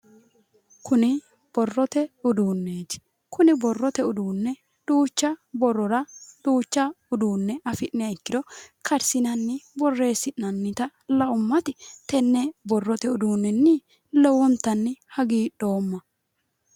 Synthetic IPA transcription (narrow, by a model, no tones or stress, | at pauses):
kʊnɪ | b̥ɔrːɔt̪ɛʊd̪uːnːeːt͡ʃ | kʊnɪbɔrːɔt̪ɛʊd̪uːnːɛ | d̪̥uːt͡ʃːɐbɔrːɔɾɐd̪̥uːt͡ʃːɐ | ʊd̪uːnːɛʔɐfɪʔnɪɐɪkːɪd̪ɔkɐɾsɪnɐnːɪbɔrːe̞ːsːɪʔnɐnːɪt̪ɐlɐʔʊmːɐt̪ɪt̪ɛnːɛbɔrːɔt̪ɛʊd̪uːnːɛnːɪ | lɛwɔnt̪ːɐnːɪhɐɡiːɗo̞ːmːɐ